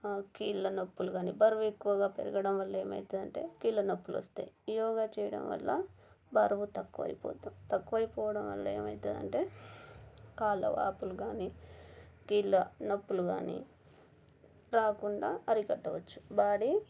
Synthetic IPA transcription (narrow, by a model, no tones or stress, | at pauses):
kiːlːɐnɐpːuluɡaːnibɐɾʋuekːuʋɐɡaːpḛɾuɡɐɽɐmʋɐlːɐeːmɐ̰jt̪ɐd̪ɐɳʈe̞ːkiːlːɐnɐpːuluʋɐ̰st̪ḛːjiijɔːɡaːt͡ʃɛːjɐɽɐ̰mʋɐ̰lːɐ | bʱɐɾʋut̪ɐkːuʋɐ̰jipɔ̰ːt̪ɐmt̪ɐkːuʋɐjipɔːʋɐɽɐmʋɐ̰lːɐḛːmɐ̰jt̪ɐd̪ɐ̰ɳʈe̞ː | kaːlɐ̰ʋa̰ːpuluɡaːni | kiːlːɐnɐpːuluɡa̰ːnḭ | ɾaːkuɳɖaːɐɾikɐʈːɐʋɐt͡ʃːu̥baːɽi